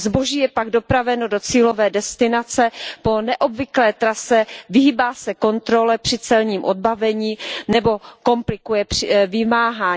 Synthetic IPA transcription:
zboʒiːjɛpaɡdo̞pɾavɛno̞dot͡siːlo̞vɛːdɛst̪ɪnat͡sɛpo̞nɛʔobvɪklɛːt̪ɾasɛvɪɦibaːsɛko̞nt̪ɾo̞lɛpr̥ɪt͡sɛlɲiːmʔod̚bavɛɲiːnɛbo̞ko̞mplɪkujɛprɪvɪmaːɦaː

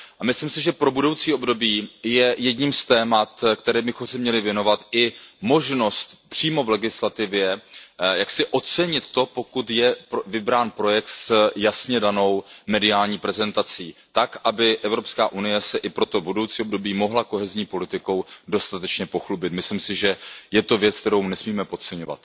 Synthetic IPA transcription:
ʔamɪslɪmsɪʒɛpɾo̞budo̞wt͡siːo̞bdo̞biːjɛjɛdɲiːmst̪ɛːmat̪kt̪ɛɾɛːbɪxomsɛmɲɛlɪvjɛno̞vat̪ɪmo̞ʒno̞st̪pr̥iːmo̞vlɛɡɪslat̪ɪvjɛjaksɪʔo̞t͡sɛɲɪt̪ːo̞po̞kut̪jɛpvɪbɾaːnpɾo̞jɛkt̪sjasɲɛdano̞wmɛdɪaːlɲiːpɾɛzɛnt̪at͡siːt̪akʔabɪʔɛvɾopskaːʔunɪjɛsɛʔɪpɾo̞t̪o̞budo̞wt͡siːobdo̞biːmo̞ɦlako̞ɦɛzɲiːpo̞lɪt̪ɪko̞wdo̞st̪at̪ɛt͡ʃɲɛpo̞xlubɪt̪mɪslɪmsɪʒɛjɛt̪o̞vjɛt͡sk̚t̪ɛɾo̞wnɛsmiːmɛpo̞tt͡sɛɲo̞va̰t̪

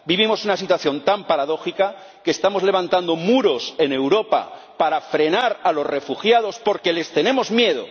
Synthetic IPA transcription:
biβimo̞sunasit̪waθjo̞nt̪ampaɾaðo̞xika | keːst̪amo̞zle̞β̞ant̪and̪o̞muɾo̞se̞ne̞wɾo̞pa̰ | paɾafɾe̞naɾalo̞zre̞fuxjað̞o̞spo̞ɾke̞le̞st̪e̞nẽ̞mo̞zmje̞ð̞o̞̰

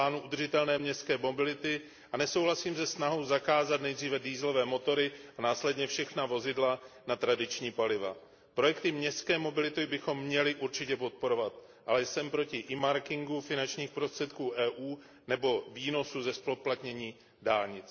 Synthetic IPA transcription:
aːnuʔud̪r̩ʒɪt̪ɛlnɛːmɲɛstkɛːmobɪlɪt̪ɪ | ʔanɛso̞wɦlasiːmzɛsnaɦo̞wzakaːzat̪nɛjd̪riːvɛdiːzlo̞vɛːmo̞t̪o̞ɾɪʔanaːslɛdɲɛfʃɛxnavo̞zɪdlanat̪ɾadɪt͡ʃɲiːpalɪva̰ | pɾo̞jɛk̚t̪ɪmɲɛstkɛːmo̞bɪlɪt̪obɪxo̞mːɲɛlɪʔuɾt͡ʃɪcɛpo̞t̪̚po̞ɾo̞vat̪ | ʔalɛjsɛmpɾo̞cɪʔɪmaɾkɪŋɡufɪnant͡ʃɲiːxpɾost̪r̥ɛt̪kuːʔɛːʔuː | nɛbo̞viːno̞suzɛsploplat̪ɲɛɲiː | daːlɲɪt͡s

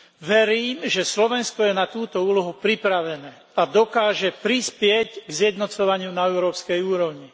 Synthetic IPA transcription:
ʋɛɾiːmʒɛslɔʋɛnskɔjɛnat̪uːt̪ɔuːlɔɦupɾipɾaʋɛnɛː | ad̪ɔkaːʒɛpɾispɪɛcɡzjɛd̪nɔt͡sɔʋaɲɪunaɛʊɾɔːpskɛjuːɾɔʊɲi

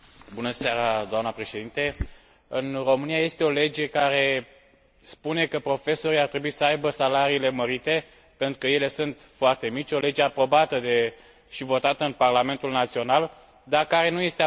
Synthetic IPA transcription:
bunəseaɾad̪oamnəpɾe̞ʃe̞d̪int̪e̞ | ɨnro̞mɨnijaje̞st̪e̞o̞le̞d͡ʒe̞kaɾe̞ | spune̞kəpɾo̞fe̞so̞ɾiart̪ɾe̞buisəajbəsalaɾiːle̞məɾit̪e̞ | pe̞nt̪ɾukəje̞le̞sɨnt̪foart̪e̞mit͡ʃʲo̞le̞d͡ʒeapɾo̞bat̪əd̪e | ʃivo̞t̪at̪əɨnparlame̞nt̪ulnat̪sio̞nal | d̪akaɾe̞nuje̞st̪e

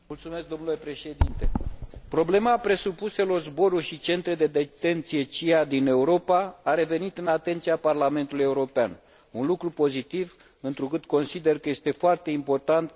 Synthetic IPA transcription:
mult̪sume̞sk̚d̪o̞mnule̞pɾe̞ʃe̞d̪int̪e̞pɾo̞ble̞mapɾe̞supuse̞lo̞rzbo̞ɾurʲʃit͡ʃe̞nt̪ɾed̪e̞d̪e̞t̪e̞nt̪sije̞t͡ʃijad̪ine̞uɾo̞paːɾe̞ve̞nit̪ɨnat̪e̞nt̪siaparlame̞nt̪uluje̞uɾo̞pean | unlukɾupo̞zit̪iv | ɨnt̪ɾukɨt̪ko̞nsid̪e̞rkəje̞st̪e̞foart̪e̞impo̞rt̪ant̪

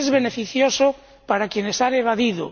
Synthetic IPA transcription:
ezβenefiθjoso | paɾakjenesaneβ̞aðiðo̰

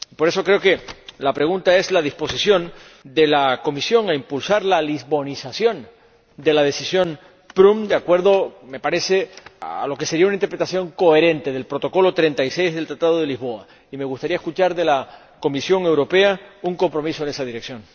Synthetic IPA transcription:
ipo̞ɾe̞so̞kɾe̞oke̞lapɾe̞ɣunt̪ae̞zlað̞ispo̞sisjo̞n | d̪e̞lako̞misjo̞ŋaimpulsaɾlalizβo̞nisasjo̞n | d̪elaðe̞sisjo̞n | pɾumd̪eakwe̞ɾðo̞me̞paɾe̞se̞a̰a̰lo̞ke̞se̞ɾiaunaint̪epɾe̞t̪asjo̞ŋko̞e̞ɾe̞nt̪e̞ðe̞lpɾo̞t̪o̞ko̞lo̞t̪ɾe̞nt̪ajse̞jzðelt̪ɾat̪að̞o̞ðe̞lizβo̞a | ime̞ɣust̪aɾiae̞skut͡ʃaɾðe̞la | ko̞misjo̞ŋe̞wɾo̞pe̞auŋko̞mpɾo̞miso̞e̞ne̞saðiɾeksjo̞ŋ

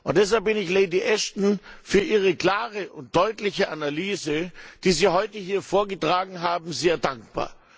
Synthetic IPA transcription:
ʔʊnt̚d̥ɛs̬halp̚b̥ɪnɪçleɪdiʔɛʃtn̩fyːɐʔiːʁ̞əkl̥aːʁəʔʊnt̚d̥ɔʏtlɪçəʔanalyːzəd̥iːziːhɔʏtəɦiːɐfoːɐɡətʁ̥aːɡŋ̩ɦaːbm̩zeːɐdaŋk̚b̥a̰ːɐ

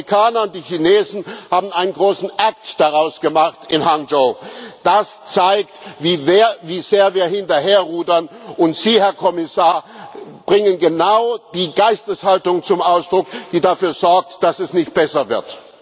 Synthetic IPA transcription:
ikʰaːnɐʊntd̥iːçineːzn̩haːbm̩aɪnənɡʁoːsn̩ʔak̚td̥aʁaʊsɡ̥əmaχtɪnɦaŋd͡ʒoːd̥ast͡saɪktviːveːɐviːz̥eːɐviːɐhɪntɐɦeːɐʁuːdɐnʔʊntz̥iːhɛɐkʰɔmɪsaːɐb̥ʁɪŋənɡənaʊd̥iːɡaɪstəshaltʊŋt͡sʊmʔaʊsd̥ʁʊkd̥iːdafyːɐzɔɐk̚td̥asɛsnɪçt̚b̥ɛsɐvɪɐt

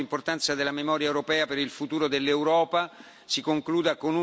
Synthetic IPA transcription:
import̪ant̪sad̪elamemɔːɾjaɛewɾopɛːapeɾilfut̪uːɾod̪elːewɾɔːpa | sikoŋkluːd̪akonu

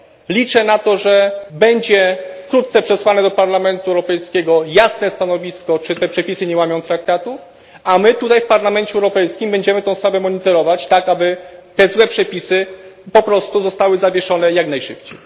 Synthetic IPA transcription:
lʲit͡ʂɛnat̪ɔʐɛbɛɲd͡ʑɛfkɾut̪̚t̪sɛpʂɛswanɛd̪ɔpaɾlamɛnt̪uɛwɾɔpɛjskʲɛɡɔjasnɛst̪anɔvʲiskɔt͡ʂɘt̪ɛpʂɛpʲisɘɲɛwamʲjɔ̃w̃t̪ɾak̚t̪at̪u | amɘt̪ut̪ajfpaɾlamɛnt͡ɕɛwɾɔpɛjskʲimbɛɲd͡ʑɛmɘt̪ɔ̃w̃spɾavɛmɔɲit̪ɔɾɔvat͡ɕt̪akabɘt̪ɛzwɛpʂɛpʲisɘpɔpɾɔst̪uzɔst̪awɘzavʲjɛʂɔn̪ɛjaɡnajʂɘpt͡ɕej

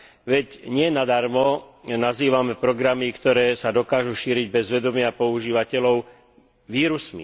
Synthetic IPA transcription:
ʋɛɟɲɪɛnad̪aɾmɔnaziːʋamɛpɾɔɡɾamikt̪ɔɾɛːsad̪ɔkaːʒuʃiːɾiɟbɛzʋɛd̪ɔmɪapɔuʒiːʋacɛlɔʊ | ʋiːɾusmḭ

